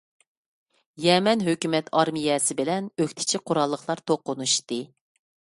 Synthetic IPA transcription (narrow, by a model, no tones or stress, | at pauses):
jɛmɛnɦøkʲymɛt̪ʰɑɾmijɛsɪbɪlɛnøkʲt̪ʰɪ̥t͡ʃʰiqʰʊɾɑlˠːəχlˠɑɾt̪ʰoqːʊnuʃt̪ɨ